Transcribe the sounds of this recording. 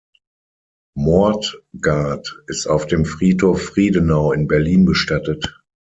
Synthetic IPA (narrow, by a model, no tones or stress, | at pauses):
mɔɐtɡ̥aɐtɪstaʊfd̥eːmfʁ̥iːthoːfːʁ̥iːdənaʊɪnbɛɐliːnbəʃtatət